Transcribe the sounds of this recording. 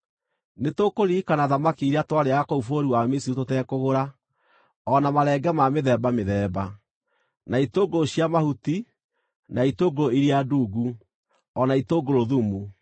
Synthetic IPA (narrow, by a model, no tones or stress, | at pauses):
netokoɾiːkanaðamakiiɾatwaɾeakoufoɾiwamisiutotɛːkoɣoɾa | ɔnamaɾɛɡɛmameðɛbameðɛːba | naitoɡooɕiamahuti | naitoːɡoɾoiɾiaduːɡu | ɔnaitoɡoɾoðumu